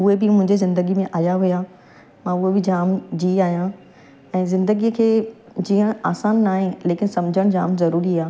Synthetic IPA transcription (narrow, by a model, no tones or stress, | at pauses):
ʊɦebɪmʊ̃ɦɪ̃ɲd͡ʑizɪ̃nd̪əɡimẽʔaːjaɦuja | mãːʊɦebɪd͡ʑaːmd͡ʑiːaːɦijã | ɛ̃ːzɪ̃nd̪əɡiəkʰeː | d͡ʑiːə̃aːsaːnːaːɦẽleːkɪnsɐmd͡ʑʱəɽ̃d͡ʑaːmzɐɾuːɾiaː